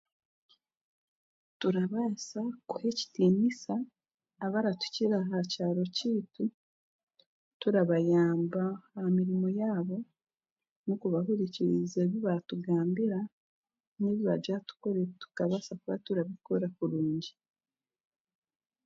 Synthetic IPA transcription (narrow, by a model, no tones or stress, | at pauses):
tuɾaβasakuhe̞ci̥tiːnisaː | βaɾatu̥ciɾaɦacaːɾo̞ciːtu | tuɾaβajaːmbahamiɾimo̞jaːβo̞ | nukuβaɦuɾiciizeːβiβatuɡaːmbiɾa | neβiβad͡ʒatu̥koɾetu̥kaβasakuβatuɾaβikoɾakuɾuːɲɟi